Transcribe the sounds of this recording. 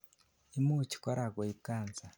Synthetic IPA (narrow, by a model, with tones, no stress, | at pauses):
i˦mu˦ci̥˨ko˦ɾa˨ɡo˨ikaː˨nza˨